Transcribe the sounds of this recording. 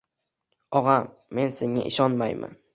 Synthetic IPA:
ɒʁɑmːe̞nseŋːa̰ʔɪʃɒnmajmʔa̰n

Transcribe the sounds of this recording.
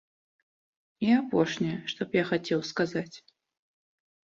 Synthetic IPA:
iapɔʂnʲɛjɛʂt̪ɔpjaxat͡sʲɛwskazat͡sʲ

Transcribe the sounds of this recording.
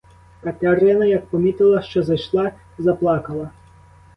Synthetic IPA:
kɐt̪ʲaɾɪnɐjɐk̚pɔmʲit̪ɪlˠɐʃt͡ʃɔzɐjʃlˠɑ | zɐplˠɑkɐlˠɐ

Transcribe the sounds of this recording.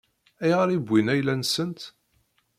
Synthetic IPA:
æjʁɾibʷːinæjlænsənt̪

